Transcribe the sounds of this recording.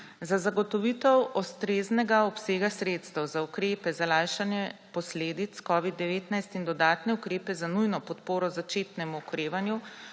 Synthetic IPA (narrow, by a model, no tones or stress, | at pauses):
zazaɡɔt̪ɔʋit̪ɛwɔst̪ɾeːznɛɡaɔpseːɡasɾeːt̪st̪ɛwzaukɾeːpɛzalaːjʃanjɛpɔsleːd̪it̪skɔːʋid̪ːɛʋeːt̪najst̪ind̪ɔd̪aːt̪nɛukɾeːpɛzanujnɔpɔt̪poːɾɔzat͡ʃeːt̪nɛmuɔkɾeːʋanju